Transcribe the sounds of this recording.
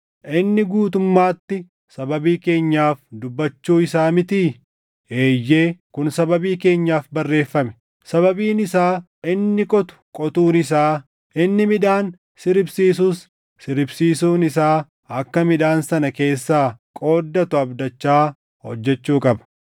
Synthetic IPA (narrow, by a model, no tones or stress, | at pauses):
ʔɪnːɪɡuːt̪ʊmːaːt̪ːɪ | sɐbɐbiːke̞ːɲːaːfd̪ʊbːɐt͡ʃːuːɪsaːmɪt̪iː | eːjːe̞ːkʊnsɐbɐbiːke̞ːɲːaːfbɐrːe̞ːfːɐmɛ̥ | sɐβɐbiːnɪsaː | ʔɪnːɪkʼɔt̪ʊ̥kʼɔt̪uːnɪs̬aː | ʔɪnːɪmɪᶑ̪aːn | sɪɾɪbsiːs̬uːsː | ɪɾɪbsiːsuːnɪsaː | ɐkːɐmɪᶑ̪aːnsɐnɐke̞ːsːaːkʼo̞ːd̪ːɐt̪ʊɐbd̪ɐt͡ʃːaː | hɔ̰d͡ʒːɛt͡ʃːuːkʼɐbɐ̥